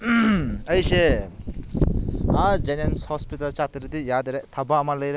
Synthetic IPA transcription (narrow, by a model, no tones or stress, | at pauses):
ɐjse | ad͡ʒenemshɔspitalt͡ʃat̪ɾid̪ijad̪ɾet̪ʰabaːmaləjɾe